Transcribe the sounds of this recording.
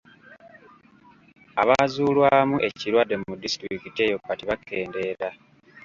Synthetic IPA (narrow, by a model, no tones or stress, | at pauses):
aβazuːlwaːmuʔe̞ciɾwadːe̞mumudistɾikitiejo̞pːatiβakʰːe̞ːnde̞ːɾa